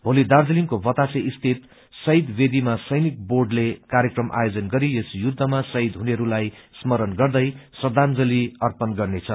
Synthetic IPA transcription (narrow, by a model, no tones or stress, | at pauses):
bʱolid̪ard͡zʌlimkobʌt̪asʰeist̪ʰit̪ | sʌjd̪bed̪imasʌjnik̚borɖlekaɾjekrʌmʔa̰jod͡zʌnɡʌɾijesjud̪ʱːʌmasʌid̪ɦuneʌɾulajsmʌɾʌnɡʌrd̪ʌjsʌd̪ʱand͡zʌliʌrpʌnɡʌrnet͡sʰʌ